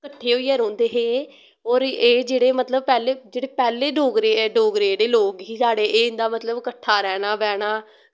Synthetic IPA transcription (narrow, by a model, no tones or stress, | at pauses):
kəʈʰːeːɦoːiːəɾõːnd̪eːɦeː | ɔːɾeːd͡ʒeːɽeːmət̪ləb̚pɛːleːd͡ʒeːɽeːpɛːleːɖoːɡɾeːɖoːɡɾeːɽeːloːkɦiːsaːɽeːʔeːɪ̃nd̪aːmət̪ləbkəʈʰːaːɾɛːɽ̃aːbɛːɽaː